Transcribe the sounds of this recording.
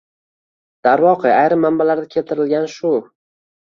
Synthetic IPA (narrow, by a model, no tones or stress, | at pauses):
d̪̥aɾvɒqʰɨajɾɪmːambalaɾd̪akʲʰe̞lt̪ʰɪɾɪlɡʲanʃʊ